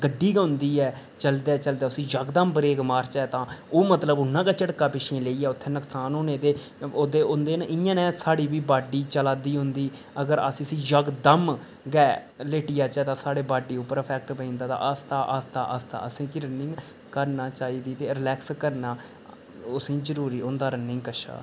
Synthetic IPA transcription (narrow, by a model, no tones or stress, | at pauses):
ɡəɖːiːɡɛʊ̃nd̪iːɛː | t͡ʃəld̪ɛːt͡ʃəld̪ɛːʊsĩːd͡ʒəɡd̪əmbəɾeːɡmaːɾt͡ʃɛːt̪ãːoːmət̪ləbʊnːãːkaːt͡ʃəʈkaːpɪʃʰẽːleːiːɛːʊt̪ʰːeːnəksaːnoːnẽːt̪eː | oːd̪eːʊnd̪eːnʔɪ̃jãːnɛ̃ːsaːɽiːbiːbaːɖiːt͡ʃəlaːd̪iːɦʊ̃nd̪iː | əɡəɾəsĩːəsĩːd͡ʒəɡd̪əm | ɡɛː | leːʈɪjaːt͡ʃɛːt̪ãːsaːɽeːbaːɖiːʊpːəɾəpʰɛːk̚ʈpəĩːnd̪aːt̪ã̰ʔəst̪aːʔaːst̪a̰ːʔaːst̪a̰ːəsĩːkɪɾənɪ̃ŋɡ | kəɾnaːt͡ʃaːiːd̪iːt̪eːɾɪlɛːkskəɾnaː | ʊsĩːzəɾuːɾiːõnd̪aːɾənːɪ̃ːkəʃa̰ː